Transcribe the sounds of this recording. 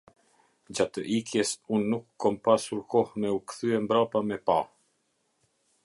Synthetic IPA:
d͡ʑat̪əʔikjɛsunːukːɔmpasuɾkɔhmɛukθyɛmbɾapamɛpa

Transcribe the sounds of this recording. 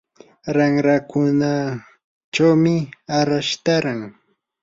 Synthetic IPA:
ɾaŋɾakʊna | t͡ʃawmɪaɾaʃt̪aɾaŋ

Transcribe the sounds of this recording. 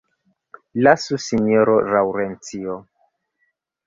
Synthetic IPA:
lasusinioɾoɾawɾent͡sio

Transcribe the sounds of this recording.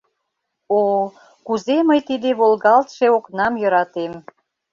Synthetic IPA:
o | kuzeməjt̪id̪eβolɣɑlt̪ʃeoknɑmjɤ̆ɾɑt̪em

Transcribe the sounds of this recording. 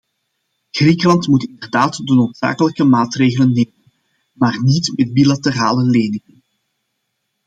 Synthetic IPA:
ɣrikəlɑntmutɪndərdaːtdənoːtsa̰ːkələkəmaːtreːɣələnːeːmən | maːrnitmɛd̚bilatəra̰ːləleːnɪŋən

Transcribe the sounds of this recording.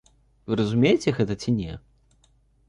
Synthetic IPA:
vɨɾɐzumʲejt͡sʲɛɣɛt̪ɐt͡sʲinʲɛ

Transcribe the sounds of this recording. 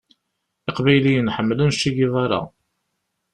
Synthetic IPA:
ɪqvæjlijənħəmːlənʃiʝiðˤɑɾˤɑ̰

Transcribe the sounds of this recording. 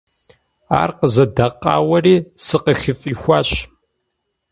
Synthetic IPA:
a̰ːrqəzɐdɐqɑ̰ːwɐriːsɨqəxɪfʼiːxʷaːɕ

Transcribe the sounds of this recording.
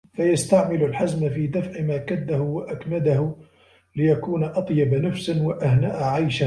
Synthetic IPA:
fajast̪aʕmɪlʊlħazmafiːd̪afʕɪmaːkad̪ːahʊwaʔakmad̪ahʊ | lɪjakuːnaʔɑt̪ˤjɑbanafsnwaʔahnaːʔʕajʃa

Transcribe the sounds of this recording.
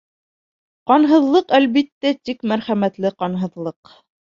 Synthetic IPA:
qɑnɦɤ̆ðlˠɤqælβit̪ːæt̪ikmæɾχæmæt̪lɘqɑnɦɤ̆ðlˠɤq

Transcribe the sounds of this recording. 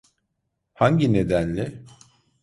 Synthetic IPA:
haɲɟine̞d̪ænlʲɪ

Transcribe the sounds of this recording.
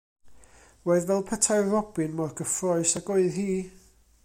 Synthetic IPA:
woɨðvɛlˠpʰətʰaɨrɔb̥ɪnmɔrɡəfrɔɨsaɡoɨðhiː

